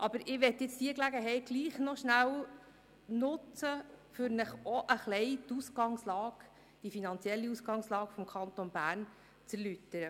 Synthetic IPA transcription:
ʔɑb̥əɾɪʋɛt̪jɪt͡sd̥iəklæɡəɦɛɪt̚ɡliːχnɔʃnæw | nʊt͡səfʏɾnəχɔʔəχlɛɪt̪usɡɑŋslɑːɡ | d̥ifinɑnt͡sjɛlːiuskɑŋslɑːɡfɔmkʰɑnt̪onbæːɾn | t͡sɛɾlytːəɾə

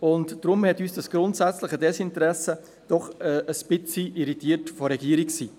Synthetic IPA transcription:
ʊntd̥ɾʊmhɛtyːsd̥ɑsɡ̥ɾʊntsɛt͡slɪχədɛsɪntəɾɛsə | d̥ɔχəəsb̥ɪt͡siʔiɾitiːətfɔɾɛɡ̥iːəɾiksiː

